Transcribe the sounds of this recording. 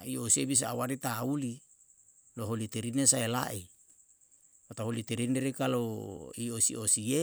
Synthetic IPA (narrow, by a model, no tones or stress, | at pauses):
iosiebis̬aːwaɾit̪auli | loɦolit̪eɾinesaela̰ʔi | pot̪aɦolit̪eɾineɾekaloiosḭosie